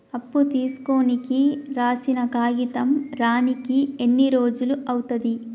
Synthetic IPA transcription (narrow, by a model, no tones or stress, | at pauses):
ɐpːut̪iːsu̥ko̞ːnikiɾaːsinɐkaːɡit̪ɐmɾaːnikienːiɾo̞ːd͡ʒuluʔɐwut̪ɐd̪i